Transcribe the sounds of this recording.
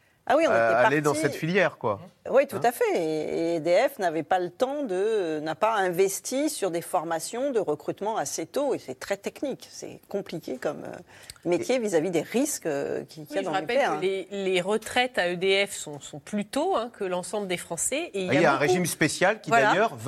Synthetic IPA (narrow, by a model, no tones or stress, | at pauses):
a̰wiɔ̃eɛːaled̪ɑ̃sɛt̪filjɛːʁkwawit̪ut̪afɛḛd̪eɛfnavɛpalət̪ɑ̃d̪ənapaɛ̃vɛst̪ʰisyʁd̪efɔʁmasjɔ̃d̪əʁəkχyt̪mɑ̃aset̪oesɛt̪χɛt̪ɛkniksɛ̰kɔ̃plikʲekɔmø̰mejevizavid̪eʁiskə̰kʲikʲiaʒd̪ɑ̃ʁapɛlleleʁət̪χɛt̪aød̪eɛfsɔ̃sɔ̃plyt̪oɛ̃kəlɑ̃sɑ̃bləd̪efχɑ̃sɛeilajaɛõʁeʒimspesjalkʲivwad̪ajaœʁv